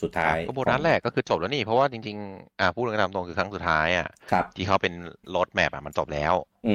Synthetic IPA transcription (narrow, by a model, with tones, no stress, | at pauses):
su˨˩t̪ʰːaː˧˦˥jbo˨˩t̪̚naː˦˥t̪̚lɛː˥˩kːɔː˥˩kʰɯː˧t͡ɕo˨˩p̚lɛː˨˦˥niː˥˩pʰɔ˦˥waː˥˩t͡ɕi˧ŋt͡ɕi˧ŋʔa˧˩pʰu˥˩˧t̪aː˧mt̪o˧ŋkʰɯː˧kʰa˦˥ŋsu˨˩t̪ʰːaː˦˥jʔa̰˨˩kʰa˦˧˩t̪ʰiː˥˩ka˦˥wpe˧nlo˦˥t̪̚mɛ˨˩p̚a̰˨˩ma˧nt͡ɕo˨˩p̚lɛ̰ː˦˥w